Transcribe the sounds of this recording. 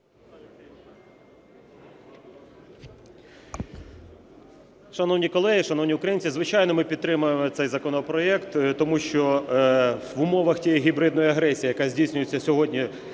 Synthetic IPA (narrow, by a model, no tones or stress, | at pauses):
ʃɐnɔwnʲikɔlˠɛɦiʃɐnɔwnʲiʊkɾɐjinʲt͡sʲizʋɪt͡ʃɑjnɔmɪpʲid̪̚t̪ɾɪmʊjemɔt̪sɛjzɐkɔnɔpɾɔjɛkt̪t̪ɔmuʃt͡ʃɔ | ʊmɔʋɐxtʲijiɦʲibɾɪd̪nɔjiɐɦɾɛsʲijijɐkazʲdʲijsʲnʲʊjet͡sʲːɐsʲɔɦɔdʲnʲi